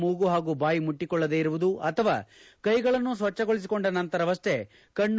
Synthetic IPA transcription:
muːɡuɦaːɡuːbaːjimuʈːikɔɭːɐd̪eːiɾuʋud̪uɐt̪ʰɐʋa̰ː | kɐjɡɐɭɐnːus̬ʋɐt͡ʃːɐɡoɭis̬iko̞ɳɖɐnɐnt̪ɐɾɐʋɐst̪ʰe̞ | kɐɳː

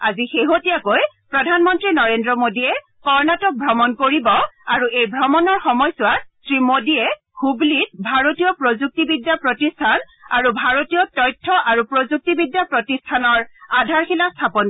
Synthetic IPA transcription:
azixeɦotijakoj | pɹɔdʱanmɔntɹinɔɹendɹɔmodiɛ | kɔɹnatɔk̚bʱɹɔmɔnkoɹibɔaɹuejbʱɹɔmɔnɔɹxɔmɔjsʊwasɹimodiɛ | hublit̚bʱaɹotijɔpɹozuk̚tibidjapɹotistʰan | aɹubʱaɹotijɔtɔjtʰːɔʔaɹupɹozuk̚tibidjapɹotistʰanɔɹadʱaɹxilastʰapɔn

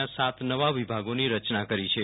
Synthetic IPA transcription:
ãsat̪ʰnəʋaʋibʱaɡoniɾət͡ʃnakəɾit͡ʃʰe

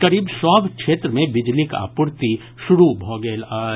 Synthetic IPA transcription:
kɐɾiːbsɔːbʱkʃeːt̪ɾəmẽbɪd͡ʒlika̰ːpʊɾt̪i | ʃʊɾubʱɔːɡeːlaː

